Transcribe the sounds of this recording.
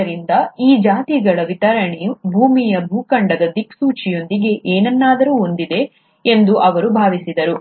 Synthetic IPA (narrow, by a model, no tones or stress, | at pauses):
ɐɾind̪ɐiːd͡ʒaːt̪iɡɐɭɐʋit̪ɐɾɐɳejubʱuːmijɐbʱuːkɐɳɖɐd̪ɐd̪iksuːt͡ʃijo̞nd̪iɡe̞ʔeːnɐnːaːd̪ɐɾuːo̞nd̪id̪e̞ | e̞nd̪uʔɐʋɐɾubʱaːʋisid̪ɐɾu